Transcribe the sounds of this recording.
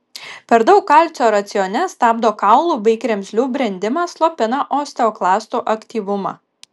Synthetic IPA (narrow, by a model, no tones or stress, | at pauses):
pʲɛɾd̪ɐʊkːɑˑlʲˑt̪sʲoːɾɐt̪sʲɪjoːnʲɛst̪ɑːbd̪oːkɑʊlˠuːbɐɪkɾʲɛmʲsʲlʲuːbʲɾʲɛnʲd̪ʲɪmɑːslˠoːpʲɪnɑʔoːsʲt̪ʲɛoːklˠɑːst̪uːʔɐkʲt̪ʲiːʋʊmɑ̰ː